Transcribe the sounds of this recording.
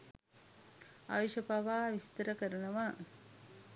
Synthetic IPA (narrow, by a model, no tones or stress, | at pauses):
a̰ʋiʃəbaʋaːʋist̪əɾəkəɾənəʋa